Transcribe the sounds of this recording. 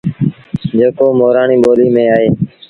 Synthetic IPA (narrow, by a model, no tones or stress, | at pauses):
d͡ʒeːkoːmoːɾaːɳiːɓoːliːmẽːaːɦeː